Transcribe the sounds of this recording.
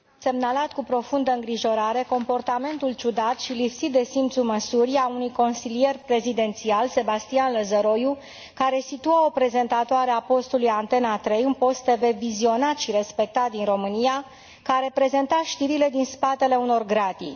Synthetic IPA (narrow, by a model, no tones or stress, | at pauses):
se̞mnalat̪kupɾo̞fund̪əɨŋɡɾiʒo̞ɾaɾe̞ko̞mpo̞rt̪ame̞nt̪ult͡ʃud̪at̪ʃilipsit̪̚d̪e̞simt̪suməsuɾiaunujko̞nsilije̞rpɾe̞zid̪e̞nt̪sialse̞bast̪ianləzəɾo̞ju | kaɾe̞sit̪uao̞pɾe̞ze̞nt̪at̪oaɾe̞apo̞st̪ulujant̪e̞nat̪ɾe̞junpo̞st̪eve̞vizio̞nat̪ʃiɾe̞spe̞k̚t̪at̪̚d̪inro̞mɨnia | kaɾe̞pɾe̞ze̞nt̪aʃt̪iɾile̞d̪inspat̪e̞le̞uno̞rɡɾat̪ḭ